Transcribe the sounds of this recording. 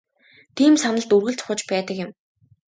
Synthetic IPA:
t̪ʰiːmsanə̆ɮt̪urɣɘ̆ɮt͡sʰʊ̥χə̆t͡ɕpæːt̪ə̆kjɪ̆m

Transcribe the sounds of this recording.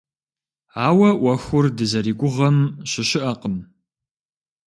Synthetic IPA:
aːwɐʔʷɐxʷʊrdɨzɐɾiːɡʷʊʁɐmɕɪɕɪʔɐqəm

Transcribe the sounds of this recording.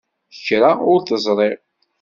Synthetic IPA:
çɾaʊɾθəzˤɾˤeʁ

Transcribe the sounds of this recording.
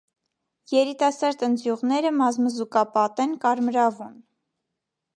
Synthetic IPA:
jɛɾit̪ɑsɑɾd̪ənd͡z̪juʁnɛɾəmɑzməzukɑpɑt̪ɛnkɑɾmɾɑvun

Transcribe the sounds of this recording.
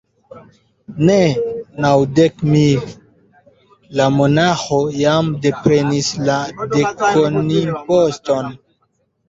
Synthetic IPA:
nenawdekmil | lamo̞naxojamde̞pe̞nisladekoniposto̞n

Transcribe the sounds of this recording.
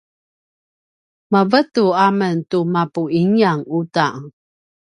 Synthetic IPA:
məvətuaməntumapuiŋiaŋuta̰

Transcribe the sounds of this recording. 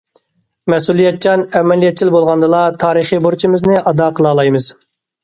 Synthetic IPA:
mɛsulˠijɛt̪̚t͡ʃʰɑnɛmɛlijɛt̪̚t͡ʃʰilbolˠʁɑnd̪ɨlˠɑt̪ʰɑːɾɨχibuɾt͡ʃʰimɪznɪʔɑd̪ɑqʰəlˠɑːlˠɑjmɨz̥

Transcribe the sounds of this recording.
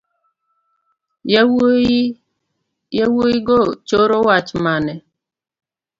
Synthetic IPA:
j | jawoiɡot͡ʃoɾowat͡ʃmanɛ

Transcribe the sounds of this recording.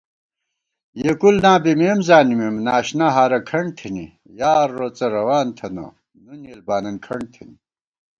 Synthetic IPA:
jekulnãːbimeːmzaːnimemnaːɕnaɦaːɾɐkʰɐɳt̪ʰini | jaːɾːot͡sɐɾɐwaːnt̪ʰɐno̰ | nuneːlbaːnɐnkʰɐɳt̪ʰini

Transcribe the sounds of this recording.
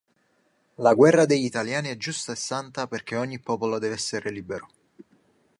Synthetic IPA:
laɡwɛrːad̪ejit̪aljaːniɛd͡ʒːust̪aesːant̪aperk̟eoɲːipːɔːpolod̪ɛːveɛsːeɾeliːbeɾo

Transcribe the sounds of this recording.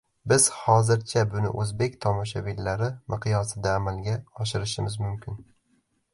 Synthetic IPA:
bɪz̥hɒzɪɾt͡ʃʰabʊnɪ̰ʔɵzbe̞k̚ʲt̪ʰɒmɒʃavilːaɾɪmʔɪqʰɨjɒsɪd̪aːmalˠɡʲaɒʃɪɾɪʃɪmɪzmʊmkʲʰɪn

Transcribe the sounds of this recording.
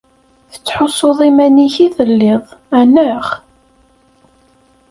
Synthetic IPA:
θə̥t͡sːħosːoðˤimæniçiθəlːɪðˤænəʁ

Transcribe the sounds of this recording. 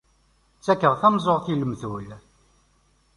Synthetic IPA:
t͡sːækːəʁθæmzˤoʁθiləmθul

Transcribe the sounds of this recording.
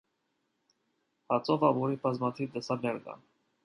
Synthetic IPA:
hɑt͡sʰɔvɑvuɾibɑzmɑt̪ʰivd̪əsɑɾnɛɾkɑ̰n

